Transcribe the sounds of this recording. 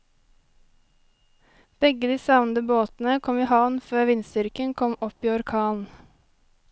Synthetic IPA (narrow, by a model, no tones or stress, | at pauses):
b̥ɛɡəd̪iːsɑʋnd̪əboːt̪n̩əkʰɔmiːhɑʋnføːʋɪnsd̪ʏɾkənkʰɔmɔpiːɔɾkʰɑːln̩